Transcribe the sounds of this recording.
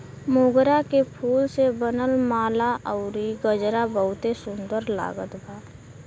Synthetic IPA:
mʊɡɾakepʰuːlsebənəlmaːlaʔəʊɾiɡəd͡ʒɾabəɦʊt̪esʊ̃nd̪əɾla̰ːɡət̪bʱaː

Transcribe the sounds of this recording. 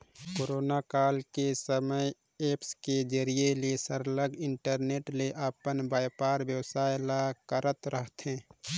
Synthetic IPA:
koːɾoːnakaːlkesəməj | eːpsked͡ʒəɾieliesəɾləɡɪɳʈəɾneːʈleʔapənbaːjpaːɾbjəwsaːjlakəɾət̪ɾəɦt̪ɦɛ̃ː

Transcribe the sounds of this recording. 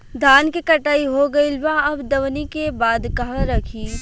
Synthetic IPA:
d̪ʱaːnkikɐʈaːiɦoɡɐilʋãɐbd̪ɐʋnikebaːd̪kɐɦãɾɐkʰiː

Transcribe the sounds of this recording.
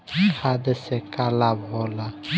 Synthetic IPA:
ikʰad̪əsɛkalabʱɔla

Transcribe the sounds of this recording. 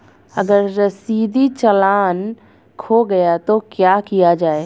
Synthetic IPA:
ɐɡəɾːɐsiːd̪it͡ʃɐlaːn | kʰoɡɐjat̪okjaːkijad͡ʒaːe

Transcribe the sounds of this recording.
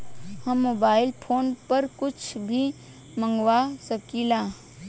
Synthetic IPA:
hɐmːoːbaːɪlpʰoːnpɐɾkʊt͡ʃʰbʱi | mə̃ŋɡwasəkilaː

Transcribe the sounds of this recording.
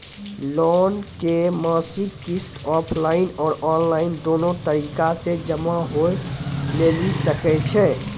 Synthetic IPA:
lɔːnkemaːsɪkkɪsʈɔːpʰlaːɪnɔːɾɔːnlaːɪnd̪oːnõt̪əɾiːkased͡ʒəmaɦoleːɡisəkɛt͡ʃʰɛː

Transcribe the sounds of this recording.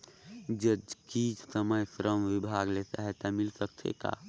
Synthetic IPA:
d͡ʒəd͡ʒkid͡ʒsəməjsɾəmʋibʱaɡlesa̰ɦɛt̪amilsəkt̪ʰḛka̰

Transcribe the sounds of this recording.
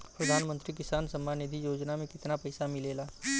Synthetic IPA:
pɾɐd̪ʱaːnmə̃nt̪ɾik̬ɪsaːnsəmːaːnɪd̪ʱijoːd͡ʒnamẽkɪt̪napɐɪsamɪleːlaː

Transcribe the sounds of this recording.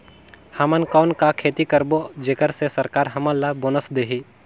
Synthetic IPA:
hamənkaːnkakʰeːt̪ikəɾbod͡ʒeːkəɾsesəɾkaːɾɦɐməlːaboːnəsd̪eɦi

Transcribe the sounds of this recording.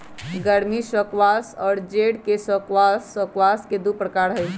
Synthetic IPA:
ɡəɾmisəkʋasɔːɾd͡ʒeɽkesəkwasəkʋasked̪upɾəkaɾɦəj

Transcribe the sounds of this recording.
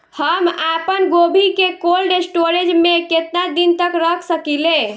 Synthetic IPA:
həmapənɡobʱikekolɖesʈoɾed͡ʒmeket̪nad̪int̪əkɾəkʰsəkilẽ

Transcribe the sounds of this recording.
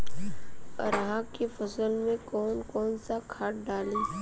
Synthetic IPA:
ə̰ɾɦãkefɐsəlmẽkɔːnkɔːnsakʰaːʈ̚ɖaːlĩː

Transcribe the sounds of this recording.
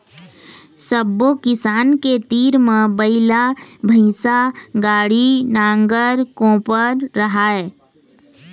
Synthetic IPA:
səbːokɪsaːnket̪iːɾmẽbəɪlabʱəɪsaɡaːɽinãːŋɡəɾkõːpəɾːɐɦaːeː

